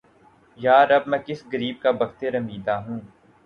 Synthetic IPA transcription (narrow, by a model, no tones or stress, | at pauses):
jaːɾɐb̚mɛ̃ːkɪsɡəɾiːb̚kabɐɡt̪eɾɐmiːd̪aɦũː